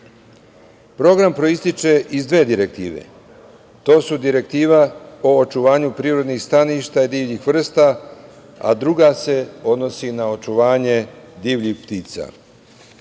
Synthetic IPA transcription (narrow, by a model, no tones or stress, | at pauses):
pɾo̞ɡɾampɾo̞ist̪it͡ʃe̞ʔizd̪ʋed̪iɾek̚t̪iːʋḛ | t̪o̞ːsud̪iɾe̞k̚t̪iːʋao̞ːt͡ʃuʋaːɲupɾiːɾo̞d̪nixst̪aniʃt̪aid̪iːʋʎixʋr̩st̪a | a̰d̪ɾuɡase̞o̞d̪no̞sinao̞t͡ʃuʋaːɲe̞d̪iːʋʎixpt̪iːt̪sa̰